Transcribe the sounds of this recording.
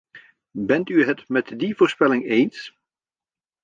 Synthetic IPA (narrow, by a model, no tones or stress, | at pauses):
bɛntyɦətmɛtdivoːɹspɛlɪŋejns